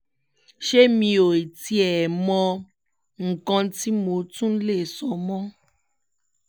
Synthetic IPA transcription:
ʃe˦mĩ˧o˨e˨ti˦ɛ˨mɔ̃˧ | ŋ̩˨kɔ̃˧n˦ti˦mo˨˦tũ˦le˦e˨sɔ˨mɔ̃˦

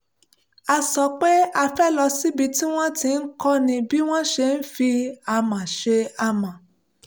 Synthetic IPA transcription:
a˧sɔ˧˦k͡pe˦a˧fɛ˦lɔ˧si˦bi˧ti˦w̃ɔ̃˦tĩ˧n̩˦kɔ˦nĩ˧bi˦w̃ɔ̃˦ʃe˧n̩˦fi˧a˧mã˨ʃe˧a˧mã˨

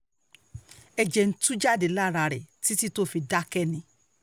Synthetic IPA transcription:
ɛ˧d͡ʒɛ˧n̩˦tũ˦d͡ʒa˦˨de˨la˦˨ɾa˧ɾɛ̰˨ti˨˦ti˦to˦˨fi˧da˦kɛ˦˨nĩ˧˦

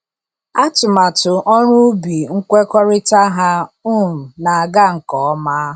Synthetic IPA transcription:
a˦tʊ˨ma˨tʊ˨ʔɔ˦ɾʊ˦bi˨ŋ̩˦kʷe˦kɔ˦ɾɪ˦ta˦ɦa˦ʊ˦˨m̩˨na˨a˨ɡa˦˨ŋ̩˨kɔ˨ɔ˦ma˦

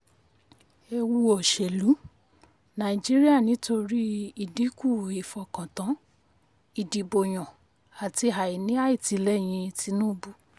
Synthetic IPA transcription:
e˧wu˧o˨ʃɛ˨lu˨˦ | nã˨i˨d͡ʒi˦ɾi˦a˦˨nĩ˨˦to˧ɾi˦i˨di˨˦ku˦˨i˨fɔ˨kã˨tã˨˦ | i˨di˨bo˨j̃ɔ̃˨ | a˨ti˧˦ɦa˨i˨nĩ˦a˦i˦˨ti˨˧lɛ˦˨j̃ĩ˧ti˧˦nũː˦˧bu˦

